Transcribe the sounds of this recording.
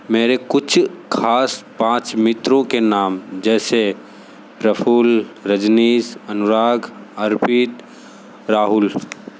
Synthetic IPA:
meːɾekʊt͡ʃʰkʰaːspãːt͡ʃmɪt̪ɾõkenaːmd͡ʒɛːse | ɾəpʰuːlɾəd͡ʒniːsənʊɾaːɡəɾpiːt̪ | ɾaːɦʊl

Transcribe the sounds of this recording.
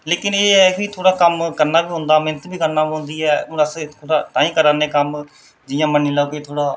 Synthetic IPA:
leːkɪneːiːt̪ʰoːɽaːkəmkəɾnaːbiːɦʊ̃ːnd̪aːmɪnət̪biːkəɾnaːiɦʊ̃ːnd̪iːɛ̃ːəst̪ʰoːɽaːʈaːĩːkəɾaːneːkəm | d͡ʒɪjãːmənːiːlaːokeːt̪ʰoːɽaː

